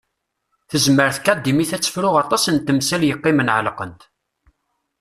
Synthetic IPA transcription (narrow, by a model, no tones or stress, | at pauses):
θəzməɾθkːæd̪ːimiθæt͡sːə̥fɾʊʁɑt̪ˤɑsənt̪ːəmsæljəqːɪmənʕəlqə̰nt̪